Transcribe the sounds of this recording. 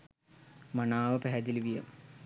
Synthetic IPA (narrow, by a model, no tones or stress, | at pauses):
manaːʋəpæɦɛd̪iliʋijəm